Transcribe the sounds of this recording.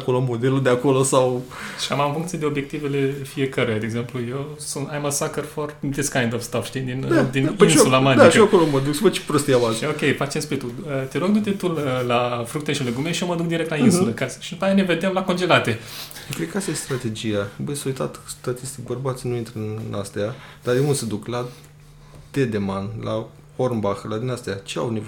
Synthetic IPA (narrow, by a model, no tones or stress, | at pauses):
akoloamːod̪eluld̪eakolosawʃi̥amamfuŋkt̪ied̪e̞o̞bje̞k̚t̪ive̞le̞fie̞kəɾujad̪eɡze̞mpluje̞wsunt̪ajmasakərford̪eskajnd̪ovst̪afʃt̪id̪ind̪ad̪ininsulamand̪aikʃioakoloməd̪uksubət͡ʃe̥pɾost̪iamazokʲe̞jfat͡ʃemspɾit̪uət̪elokd̪ut̪et̪uləlafɾuk̚t̪eʃileɡumeʃioməd̪ukd̪iɾk̚t̪lainsuləkasʃid̪upajaneve̞d̪emlako̞nd͡ʒe̞lat̪e̞okɾek̚ast̪ajest̪ɾat̪e̞d͡ʒijabəsoit̪a̰t̪st̪at̪ist̪ikbərbat̪sʲinuint̪ɾəɨnnast̪ead̪ad̪eund̪sed̪ukla | t̪ed̪emanla | oɾmbaxlad̪inast̪eat͡ʃea̰wnev